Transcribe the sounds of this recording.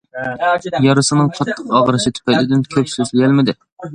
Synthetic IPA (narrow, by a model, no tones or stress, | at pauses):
jɑɾɨsɨnɨŋqʰɑt̪ʰːəqɑʁɾɨʃɪt̪ʰy̥pʰɛjlɪd̪ɪnkʲʰøpsøzlɪɡʲælmɪd̪ɪ